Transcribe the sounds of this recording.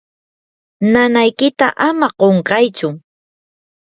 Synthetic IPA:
nanajkɪt̪aʔamaqoɴɢɑjt͡ʃʊ

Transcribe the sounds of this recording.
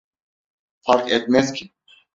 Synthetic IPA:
faɾkɛt̪̚mɛskʲʰi

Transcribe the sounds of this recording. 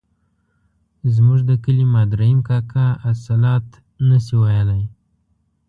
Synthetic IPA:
zmuʐd̪əkəlimɑd̪ɾaimkɑkaasalɑt̪ | nəsiwajəlaj

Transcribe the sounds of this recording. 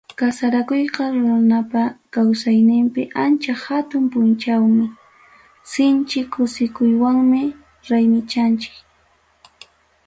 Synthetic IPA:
kasaɾakojqɑɾʊɾanapakawsajnɪmpɪʔant͡ʃahat̪ʊmpʊnt͡ʃawmɪ | sɪnt͡ʃɪkʰʊsɪkʊjwaŋmɪ | ɾajmɪt͡ʃant͡ʃɪ̥k

